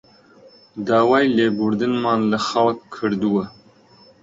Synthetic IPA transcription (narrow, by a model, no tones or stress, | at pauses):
d̪aːwaːjleːɡuɾd̪ɨnmɑːnləxawkkʰːɨɾd̪uwɐ